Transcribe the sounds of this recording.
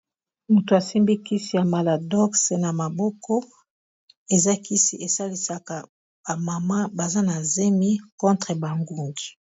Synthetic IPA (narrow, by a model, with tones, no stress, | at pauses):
mu˨to˨a˨si˦mbi˦ki˦si˨ja˨ma˨la˨dɔ˦kse˨na˨ma˨bɔ˦kʰɔ˦ | e˨za˦ki˦sḭ˨e˨sa˦li˦sa˨ka˨ | ba˨ma˨ma˦ba˨za˦na˨ze˦mi˦kɔ̃˦ntʁe˨ba˨ŋɡu˨ŋɡi̥˨